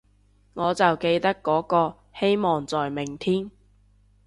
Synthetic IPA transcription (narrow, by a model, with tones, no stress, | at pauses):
ŋɔː˨˧t͡sɐ˨wke˧jt̪ɐ˥kːɔː˨˥kɔː˧ | he˥jmɔː˨ŋt͡sɔː˨jmɪ˨˩ŋt̪ʰiː˥n